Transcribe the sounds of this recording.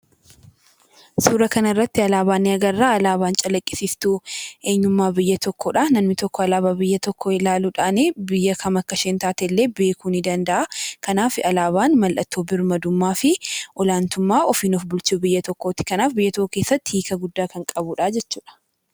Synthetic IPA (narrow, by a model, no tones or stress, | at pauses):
suːɾɐkɐnɐrːɐt̪ːɪɐlaːbaːnːɛɐɡɐrːaːɐlaːβaːnt͡ʃʼɐlɐkʼːɪ̥sist̪uːe̞ːɲːʊmːaːbɪjːɐt̪ɔkːɔᶑaːnɐmnːɪt̪ɔkːɔɐlaːbaːbɪjːɐt̪ɔkːɔɪlaːluːᶑaːneːbɪjːɐkʰɐmɐkːɐʃɛnt̪aːt̪ɛlːe̞ːbe̞ːkuːnɪd̪ɐnd̪ɐʔakɐnaːfɪɐlaːβaːnmɐlʔɐt̪ːoːbɪɾmɐd̪ʊmːaːfɪʔɔlaːnt̪ʊmːaːʔɔfiːnɔfbʊlt͡ʃuːbɪjːɐt̪ɔkːoːt̪ɪ̥kɐnaːfbɪjːɐt̪oʔke̞ːsːɐt̪ːɪhiːkɐɡʊd̪ːaːkɐŋkʼɐbuᶑaːd͡ʒɛt͡ʃːuːᶑɐ̥